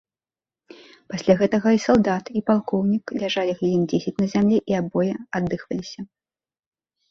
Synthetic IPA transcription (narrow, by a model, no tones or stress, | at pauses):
pasʲlʲaɣɛt̪ɐɣɐisalˠd̪at̪ipalˠkɔwnʲiklʲaʐalʲiɣlʲilʲind͡zʲesʲɛt͡sʲnɐzʲamlʲiʔiabɔjɛad̪ːɨxvɐlʲisʲɐ